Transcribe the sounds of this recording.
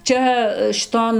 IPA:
ˈt͡ʃʲɛ ʃʲɪˈtoːn

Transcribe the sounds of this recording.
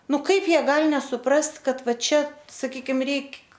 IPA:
ˈnʊ ˈkɐɪp ˈjiɛ ˈɡɐlʲ nʲɛsʊˈprɐst ˈkɐt ˈʋɐ ˈt͡ʃʲɛ sɐˈkʲiːkʲɪm ˈrʲɛɪkʲ

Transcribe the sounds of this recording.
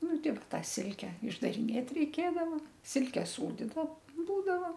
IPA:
ˈnʊ ˈtʲɪk ˈtɐ ˈsʲɪlʲkʲɛ ɪʒdɐrʲɪˈnʲeːt rʲɛɪˈkʲeːdɐʋoː ˈsʲɪlʲkʲɛ ˈsuːdʲiːdɐ ˈbuːdɐʋɐ

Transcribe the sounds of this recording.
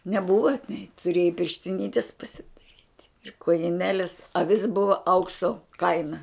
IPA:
nʲɛˈbʊʋɐ nʲɛɪ tʊˈrʲeːjɛɪ pʲɪrʲʃʲtʲɪˈnʲɪtʲɪs pɐsʲɪdɐˈrʲiːtʲ ɪr koːjɪˈnʲæːlʲɪs ɐˈʋʲɪs ˈbʊʋɐ ˈɐʊksoː ˈkɐɪnɐ

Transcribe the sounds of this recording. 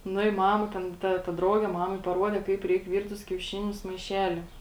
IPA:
ˈnʊ ɪ ˈmɑːmɐ ˈtʲɛn tɐ tɐ ˈdrɐʊɡʲɛ ˈmɑːmɐɪ pɐˈruɔdʲɛ ˈkɐɪp ˈrʲɛɪk ˈʋʲiːrt tʊs kʲɛʊˈʃʲɪnʲʊs mɐɪˈʃʲæːlʲɪ

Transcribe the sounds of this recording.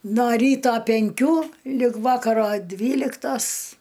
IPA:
noː ˈrʲiːtoː pʲɛŋʲˈkʲuː lʲɪk ˈʋɑːkɐroː ˈdʲʋʲiːlʲɪktoːs

